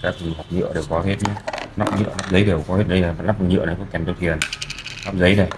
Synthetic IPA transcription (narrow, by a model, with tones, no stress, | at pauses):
kaː˦˥k̚ha˨˩k͡p̚ɲɨ̰˧˨əɗe˨˩wkɔ˨˦ɦe˦˥t̚ɲa˨˧˦na˦˥p̚ɲɨ̰˧˨əna˦˥p̚zə˨˦jɗe˨˩wkɔ˨˦he˦˥t̚ɗə˧jla˨˩ma˨na˦˥p̚ɲɨ̰˧˨nə˨˦jkʊ̰˧˥ŋ͡mkɛ˨˩nt̪o˧˩t̪ʰi˨˩ənna˦˥p̚zə˨˦jnə˨˩